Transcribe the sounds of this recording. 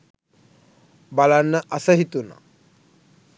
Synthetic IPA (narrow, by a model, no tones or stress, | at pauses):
balanːəʔasəɦit̪una̰